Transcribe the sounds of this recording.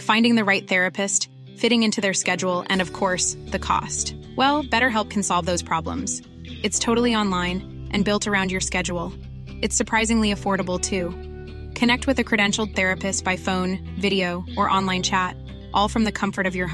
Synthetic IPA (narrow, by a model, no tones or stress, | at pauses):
fãɪ̃ndɪ̃ŋðɨɹaɪt̪̚θɛɹɨpɨst | fɪɾɪ̃ŋɪ̃ntʰʉðə˞skɛd͡ʒul̩ˠɨ̰̃nʌv̥kʰɔɹsðɨkʰɔ̰st | wɛlˠbɛɾə˞ɦɛlˠp̚kʰn̩sɑlˠvðoʊz̥pʰɹ̥ɑblə̰̃mz̥ | ɨtstʰoʊɾl̩ˠiɑ̃nlãɪ̃n | ʔɨ̃nbɪlˠtə˞ãʊ̃ndd͡ʒjə˞skɛd͡ʒul̩ˠ | ɨtsə˞pʰɹ̥aɪzɪ̃ŋliɨfɔɹɾəbl̩ˠtʰʉ | kʰɨnɛk̚t̚wɨðɨkʰɹ̥ɨɾɛ̃nʃl̩ˠd̪̚θɛɹɨpɨstb̥aɪfõʊ̃n | vɪɾioʊʔə˞ʔɑ̃nlãɪ̃nt͡ʃʰæt | ʔɔlˠfɹʌ̃mðɨkʰʌ̃ɱfə˞ɾʌvjə˞